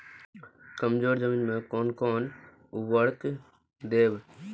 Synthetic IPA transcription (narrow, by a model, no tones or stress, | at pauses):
kɐmd͡ʒoːɾd͡ʒəmiːnmẽkoːnkoːn | ʊʋəɽk | d̪eːb